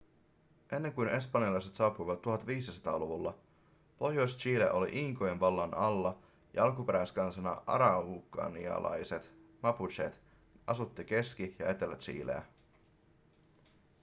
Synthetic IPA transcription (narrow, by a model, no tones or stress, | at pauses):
ʔe̞nːe̞ŋkujne̞spɑnjɑlɑjse̞t̪sɑːpujʋɑt̪ːuɦɑt̪ʋiːsisɑ̥t̪ɑ̰ːloʋulːɑ | po̞hjo̞jst͡ʃiːlḛʔo̞lḭʔiŋkojenʋɑlːɑnɑlːɑ | jɑ̰ɑlkupe̞ɾæjskɑnsɑnɑ̰ɑ̰ɾɑukːɑ̰nḭɑ̰lɑ̰jse̞t̪mɑput͡ʃḛt̪ | ɑsut̪ːik̟e̞sk̟ijɑe̞t̪elʋæt̪t͡ʃḭːlḛæ̰